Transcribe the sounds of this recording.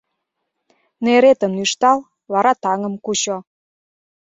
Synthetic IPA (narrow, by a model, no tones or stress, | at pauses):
neɾet̪ənyʃt̪ɑl | vɑɾɑt̪ɑŋə̆mkut͡ɕo